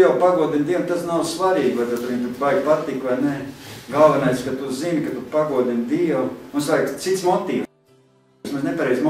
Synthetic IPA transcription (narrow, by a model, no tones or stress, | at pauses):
jawpaɡuɔd̪ʲinʲd̪iɛnmt̪asnawsvaɾiːɡlˠajt̪at̪aʋinʲt̪ubajɡpat̪ikʋajneɡalˠʋɛnajskat̪uzinkat̪upaɡuɔd̪ʲinʲd̪iɛlunsʋajkt̪sit̪smɔt̪iː | smansnepaɾɛːzm